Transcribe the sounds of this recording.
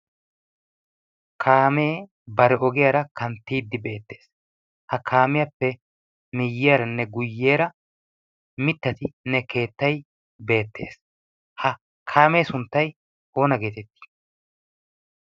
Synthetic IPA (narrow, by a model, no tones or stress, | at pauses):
kʰaːmeː | bɐɾɛɔɡɪjɐɾɐkɐnt̪ːiːd̪ːɪbe̞ːt̪ːeːs | hɐkʰaːmɪjɐpːɛ | nɪjːɪjɐɾɐnːɛɡʊjːe̞ːɾɐ | mɪt̪ːɐt̪ɪnɛke̞ːt̪ːɐj | be̞ːt̪ːe̞̰ːs | hɐ | kʰaːme̞ːsʊnt̪ːɐj | o̞ːnɐɡe̞ːt̪ɛt̪ːi̥